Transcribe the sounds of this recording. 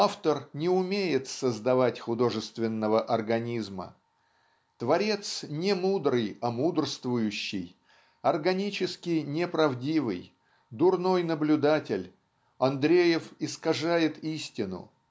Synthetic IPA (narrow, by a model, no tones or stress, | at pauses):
aft̪ərnʲɪʊmʲejɪt̪səzd̪ɐvatʲxʊd̪o̞ʐɨst̪vʲɪnːəvəʔɐrɡɐnʲizmə̰ | t̪vɐɾʲe̞t̪snʲɪmud̪ɾɨjɐmud̪rst̪vʊjʉɕːɪj | ɐrɡɐnʲit͡ɕɪskʲɪnʲɪpɾɐvdʲivɨ̰j | d̪ʊrno̞jnəblʲʊd̪atʲɪlʲ | ɐnd̪ɾʲejɪfɪskɐʐajɪt̪isʲtʲɪnʊ̰